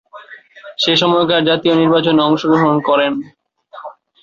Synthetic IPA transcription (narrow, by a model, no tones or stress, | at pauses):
ʃeʃɔmɔokaɾd͡ʑat̪ioniɾbat͡ɕoneɔŋʃoɡɾoɦonkɔɾen